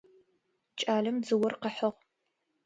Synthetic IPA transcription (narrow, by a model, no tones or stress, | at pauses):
t͡ʃʼaːɮɐmd͡zɨwɔrqəħɐʁ